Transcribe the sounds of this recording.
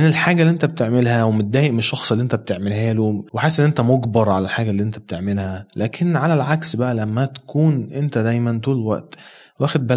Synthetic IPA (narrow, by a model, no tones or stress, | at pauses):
ʔenelħaːɡælːiʔent̪æb̚t̪eʕmelɦæwemot̪̚d̪æːjeʔmenʃːɑxsˤʔelːiʔent̪æb̚t̪eʕmelhæːloweħesːʔenːʔent̪æmoɡbɑɾˤʕalælħaːɡælːiːʔent̪æb̚t̪eʕmelhælæːkʰenʕalælʕaksbæʔælæmːæt̪æ̥kʰuːnʔent̪æd̪æjmænt̪uːllwæ̰ʔt̪ | wæːxed̪̚bæ